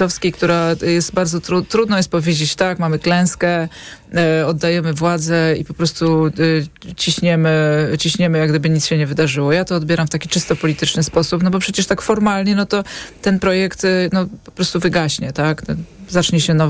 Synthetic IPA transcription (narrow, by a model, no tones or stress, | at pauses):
ɔfskʲejkt̪uɾajɛst̪baɾdzɔt̪ɾut̪ːɾud̪nɔjɛst̪pɔvʲjed͡ʑet͡ɕt̪akmamɘklɛ̃w̃skɛ | ɔd̪ːajɛmɘvwad̪zɛipɔpɾɔst̪u | t͡ɕiɕɲɛmɘt͡ɕiɕɲɛmɘjaɡd̪ɘbɘɲitsɕɛɲɛvɘd̪aʐɘwɔjat̪ɔːd̪̚bʲjɛɾamft̪akʲit͡ʂɘst̪ɔpɔlʲit̪ɘt͡ʂnɘspɔsupnɔbɔpʂɛt͡ɕɛʂt̪akfɔɾmalɲɛnɔt̪ɔt̪ɛnpɾɔjɛkt̪nɔpɔpɾɔst̪uvɘɡaɕɲɛt̪ak̪zat͡ʂɲɛɕɛnɔ